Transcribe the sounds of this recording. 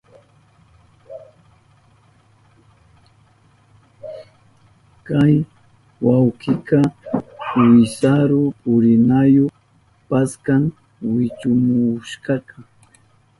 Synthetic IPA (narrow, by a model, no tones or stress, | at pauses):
kaj | wawkɪkɑ | wɪsaɾʊʊɾɪnajoχ | paskaŋ | wɪt͡ʃʊmʊʃkɑka